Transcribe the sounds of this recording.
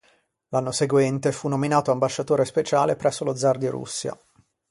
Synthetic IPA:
lanːoseɡwɛnt̪efunːominaːt̪oambaʃːat̪oːɾespet͡ʃaːlepɾʔɛsːolod̪zard̪iɾṵsːja̰

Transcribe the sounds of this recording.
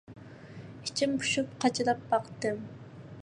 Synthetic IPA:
it͡ʃʰimpʰu̥ʃup̚qʰɑt͡ʃʰɪlˠɑp̚bɑqt̪ɨm

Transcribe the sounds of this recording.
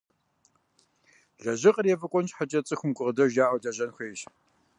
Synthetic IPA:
ɮɐʑɪqʼərjɛfɨkʷʼɔnt͡ʃħat͡ʃʼɐt͡sʼɨxʷʊmɡʷʼʊʁdɐʒaːʔɐɮɐʑɐnxʷeːɕ

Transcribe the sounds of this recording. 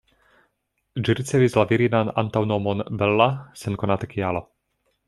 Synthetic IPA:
d͡ʒiɾit͡sɛvizlaviɾinana̰nt̪awnomɔnbɛlːasɛnkonat̪ɛkʰialo

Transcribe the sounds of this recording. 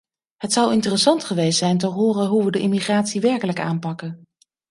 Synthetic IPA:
ɦətsʌwɪntərəsɑntχəʋejstsɛjntəɦʊːrəɦuʋədəʔɪmiχraːtsiʋɛɹkələka̰ːmpɑkən

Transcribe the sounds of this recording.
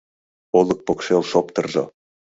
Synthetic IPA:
olɤ̆k̚pokʃelʃopt̪ɤ̆rʒɤ̰

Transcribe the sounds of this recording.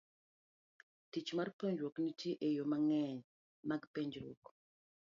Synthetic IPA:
tit͡ʃmarpoɲd͡ʒwɔknitʰiʔejomaŋɛɲ | maɡpeɲd͡ʒɾṵk

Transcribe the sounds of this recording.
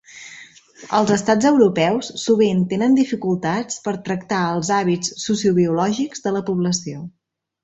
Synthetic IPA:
əlˠzəst̪ad͡zəwɾupɛwssuβ̞int̪enənd̪ifikulˠt̪at͡spəɾt̪ɾəkt̪aəlˠzaβit͡sːusiuβiulɔʒiɡzðələpuβləsio

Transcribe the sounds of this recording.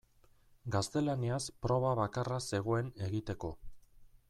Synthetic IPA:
ɡast̪e̞laniaspɾo̞β̞aβ̞akarase̞ɣ̞o̞e̞ne̞ɣit̪e̞ko̞

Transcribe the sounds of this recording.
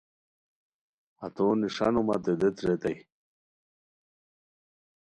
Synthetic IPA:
at̪oːniʂanumat̪ed̪et̪ɾet̪ɐj

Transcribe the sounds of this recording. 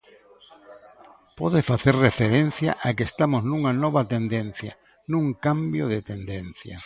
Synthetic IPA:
pɔðɪfaθerrefeɾen̟θja̰ʔakest̪amoznuŋanɔβat̪end̪en̟θja̰ | nũŋkambjoð̞ɪt̪end̪en̟θja̰

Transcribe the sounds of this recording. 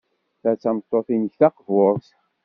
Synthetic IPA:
θæt͡sːæmət̪ˤːoθinəçθɑqvoɾˤs

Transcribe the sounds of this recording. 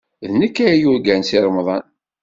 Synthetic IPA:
ðnəkːæɾjuɾɡænsɪɾˤmðˤɑn

